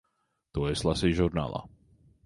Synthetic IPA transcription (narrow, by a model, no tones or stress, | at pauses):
t̪oɛslasiʒuɾna̰ːlˠa̰